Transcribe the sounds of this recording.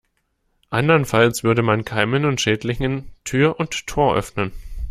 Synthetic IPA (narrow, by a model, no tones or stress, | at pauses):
ʔandɐnfalsv̥ʏɐɾəmankʰaɪmənʊntʃɛːtlɪçəntʰyːɐʔʊnttʰoːɐʔœ̰fnən